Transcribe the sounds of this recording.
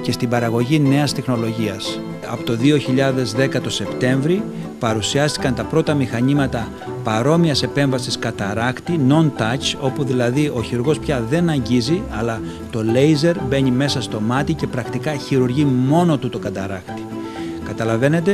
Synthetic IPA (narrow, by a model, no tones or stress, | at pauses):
ce̞st̪ibɐɾɐɣo̞ʝine̞ɐst̪exno̞lo̞ʝiɐs | ɐ̰pot̪o̞ðio̞çiʎɐðe̞zðe̞kɐt̪o̞se̞pt̪e̞ɱvɾi | pɐɾusiɐst̪i̥kɐnt̪ɐpɾo̞t̪ɐmixɐɲimɐt̪ɐ | pɐɾo̞miɐse̞pe̞ɱvɐsiskɐt̪ɐɾɐkt̪ino̞nt̪ɐt͡ʃo̞puðilɐðiʔo̞çiɾuɾɣo̞spçɐðe̞nɐɲɟiziɐlɐ | t̪o̞le̞jze̞ɾbe̞ɲime̞sɐst̪o̞mɐt̪ice̞pɾɐkt̪ikɐçiɾuɾʝimo̞no̞t̪ut̪o̞kɐt̪ɐɾɐkt̪i̥ | kɐt̪ɐlɐve̞ne̞t̪̬e̞